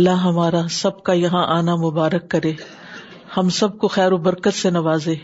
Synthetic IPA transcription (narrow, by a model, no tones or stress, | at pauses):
lːaɦɐmaːɾasɐb̚kajɐɦãʔaːnamʊbaːɾəkːɐɾẽː | hɐmsɐb̚koxɛːɾobɐɾkət̪senɐʋaːzẽː